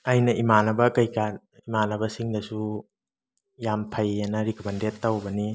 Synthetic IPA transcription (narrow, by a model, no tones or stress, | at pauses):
ɐjnɐʔimanɐbɐkɐjka | imanɐbɐsiŋdɐsu | jampʰɐjanɐɾikʰomɐndetːɐwbɐni